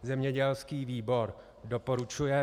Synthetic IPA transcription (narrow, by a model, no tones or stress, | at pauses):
zɛmɲɛɟɛlskiːviːbo̞ɾ | do̞po̞ɾut͡ʃujɛ